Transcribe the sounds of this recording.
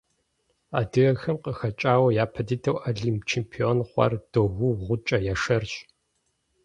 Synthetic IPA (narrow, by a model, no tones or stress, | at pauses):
aːdɨɣɐxɐmqəxɐt͡ʃʼaːwɐjaːpʰɐditʰɐwʔaɮimpt͡ʃʰempʰionχʷɐ̰rd̥oɣʷuʁʷʊt͡ʃʼɐjaʂɐrt͡ʃ